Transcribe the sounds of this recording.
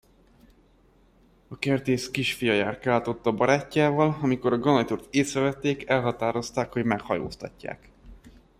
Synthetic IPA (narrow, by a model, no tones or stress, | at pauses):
ɒkɛrt̪eːʃkiʃfijɒjaːrkaːlt̪o̞t̪ːɒbɒɾaːcːaːvɒlɒmiko̞ɾɒɡonɒt̪ort̪eːsɾɛvɛt̪ːeːkɛlɦɒt̪aːɾo̞st̪aːkho̞ɟmɛkhɒjo̰ːst̪ɒ̰cːa̰ːk